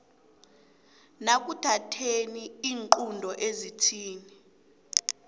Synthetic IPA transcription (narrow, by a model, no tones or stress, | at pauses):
nak̬ʼutʰatʰeniiːŋǃundʱɔʔezitʰiːni